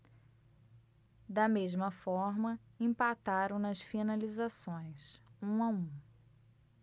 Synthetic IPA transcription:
d̪ɐmeʒmɐfɔɾmɐẽpat̪aɾɐ̃w̃nɐsfinalizasõj̃sũaũ

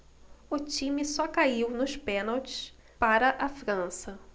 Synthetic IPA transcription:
ʊt͡ʃĩmɪsɔkaiwnʊʃpẽnawt͡ʃɪ̥s | paɾɐʔafɾɐ̃sɐ

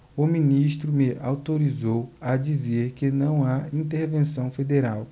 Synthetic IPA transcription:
ʊminiʃt̪ɾʊmeʔa̰wt̪oɾizowad͡ʒizeɾkɪnɐ̃w̃aĩnt̪eɾvẽsɐ̃w̃fed̪eɾaw

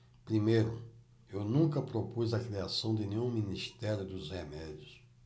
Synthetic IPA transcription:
pɾimejɾʊ | ewnũŋkɐpɾopuzɐkɾiasɐ̃w̃d̪ɪnẽɲũminist̪ɛɾjʊd̪ʊzhemɛd͡ʒjʊs

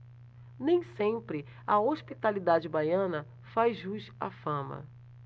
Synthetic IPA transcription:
nẽj̃sẽmpɾɪ | ɐoʃpit̪alid̪ad͡ʒɪbajɐ̃nɐ | fajʒuʃa̰fɐ̃mɐ̰

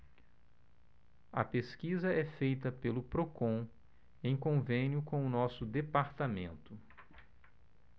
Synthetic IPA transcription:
ɐ̰peskizɐɛfejt̪ɐpelʊpɾokõ | ẽj̃kõvẽnjʊkõw̃ʊnɔsʊd̪epaɾt̪amḛ̃nt̪ʊ

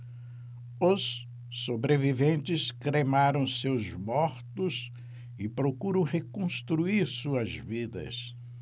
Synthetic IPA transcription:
ʊsː | obɾevivẽnt͡ʃɪskɾemaɾɐ̃w̃sewzmɔɾt̪ʊs | ɪpɾokuɾɐ̃w̃hekõst̪ɾuiɾsuɐzvid̪ɐ̰s

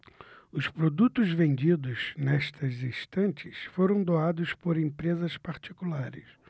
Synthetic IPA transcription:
ʊspɾod̪ut̪ʊzvẽnd͡ʒid̪ʊznɛʃt̪ɐzist̪ɐ̃nt͡ʃɪsfoɾɐ̃w̃d̪oad̪ʊspoɾẽmpɾezɐspaɾt͡ʃikulaɾɪ̰s

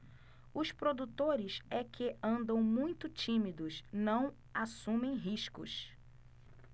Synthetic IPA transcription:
ʊspɾod̪ut̪oɾɪsɛkɪɐ̃nd̪ɐ̃w̃mũj̃t̪ʊt͡ʃĩmid̪ʊsnɐ̃w̃ | asũmẽj̃ɦiʃkʊ̰s

